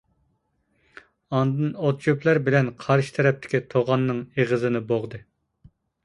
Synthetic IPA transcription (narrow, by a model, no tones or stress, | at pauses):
ɑnd̪ɨnot̪̚t͡ʃuplˠæɾbɪlɛnqʰɑɾʃɪ̥t̪ʰɛɾɛp̚t̪ʰɪ̥kʲit̪ʰoʁɑnːɨŋeʁəzɨnɨboʁd̪ɨ